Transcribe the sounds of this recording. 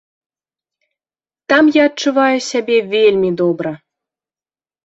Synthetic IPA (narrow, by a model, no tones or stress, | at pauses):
t̪amjaɐtt͡ʃuvajusʲabʲevʲelʲmʲid̪ɔbɾə